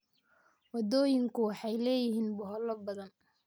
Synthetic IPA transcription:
wɑd̪ɔːjɪŋkʰʊwɑħɑjlɛːjɪɦiːnbʊɦɔlɔbɐðɐn

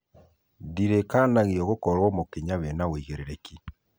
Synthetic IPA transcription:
diɾekanaɣiɔɣokɔɾwɔmokeɲaβɛnaweiɣeɾeɾeki

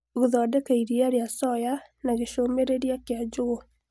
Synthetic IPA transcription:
ɣoðɔdɛkaiɾiaɾeasɔjanaɣeʃomeɾeɾjakead͡ʒoɣo

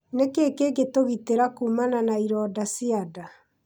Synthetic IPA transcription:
nekeːkeːɡetoɣiteɾakumananaiɾɔdasiada

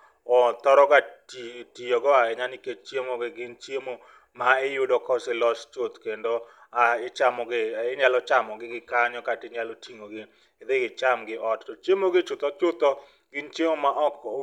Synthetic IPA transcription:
ɔt̪ɔɾɔkatitijɔɡɔaɛɲaniket͡ʃt͡ʃjemoɡɪɡɪnt͡ʃjemo | maɪjʊdɔkɔsɪlɔst͡ʃot̪kendoaɪt͡ʃamɔɡɪɪɲalɔt͡ʃamɔɡɪɡɪkaɲɔkatɪɲalɔtʰiŋoɡɪ | d̪ɪɡɪt͡ʃamɡɪʔɔttɔt͡ʃemoɡɪt͡ʃʊt̪ɔt͡ʃʊt̪ɔ | ɡɪnt͡ʃemomaʔɔk

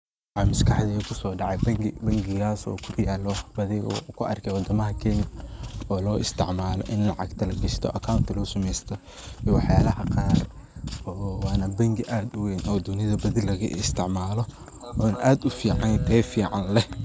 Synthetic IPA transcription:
wħɑːmɐskʰɑħd̪ɛkʰʊsɔːɖɑʕɛjbɐŋɡɪbɐŋɡɪɣaːsɔ̰ːkʰʊdɪjaːlɔbɐðɪɔ̰kʰʊʔɐ̰rkʰɛwɑd̪ɐmɐɦɐkʰɛnjɐɔːlɔːʔɪst̪ʰɪ̰ʕmaːlɔ̰ʔɪnlɑʕɑ̰ɡt̪ʰɐlɐɡɐst̪ʰɔ̰ʔɐkʰawnt̪ʰɪlʊʊsʊmɛjst̪ʰɔ | ɛwɑħjaːlɐɦɐqɑːr | ɔːwɑːnɐbɐŋɡɪʔaːd̪ʊweːnʔɔːd̪ʊnɪðɐbɐðɪlɐɣɐ̰ʔɪst̪ʰɪʕmaːlɔ | ɔːnʔaːd̪ʊfiːʕɑnt̪ʰɛːfiːʕɑnlɛh

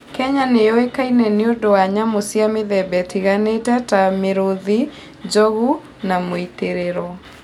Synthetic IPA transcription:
kɛɲanejɔekainɛneondowaɲamosiameðɛbɛtiɣanetɛtameɾoði | d͡ʒɔɣu | namoit̪eɾeɾɔ

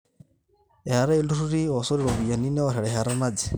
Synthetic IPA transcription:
ɛhaɾailuɾuɾiɔsɔɾiɺɔβijaninɛɔɾɛɺɛɦaɾamad͡zi

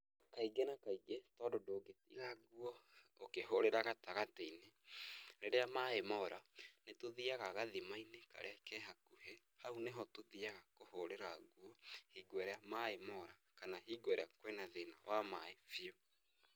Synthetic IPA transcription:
kaiɡenakaiɡetɔndodoːɡetḭɣaɡuɔ | okehoɾeɾaɣataɣateineɾeɾeamaemɔɾanetoðiaɣaɣaðimaineka̰ɾeakɛɦakuhɛ | hauneɦɔtoðiaɣakohoɾeɾaɣwɔhiːɡwɛɾeamaemɔɾakanaɦiːɡwɛɾeakwɛnaðena̰wamaefiɔ

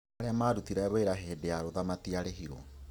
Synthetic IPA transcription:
aɾeamaːɾutiɾɛβoeɾaɦeːdeaɾoðamatiaɾeɦiɾɔ̰

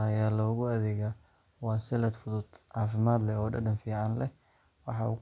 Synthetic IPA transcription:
ɐjaːlɔʊɣʊɐðɛːɣɐwɑːsɛlɐd̪fʊðʊd̪̥ʕɑːfɪmaːd̪lɛɔːɖɐ̰ɖɐnfiːʕɑnlɛwɑħɑʊ̰

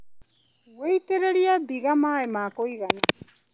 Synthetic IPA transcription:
wejteɾeɾiabiɣamaːemaːkojɣana

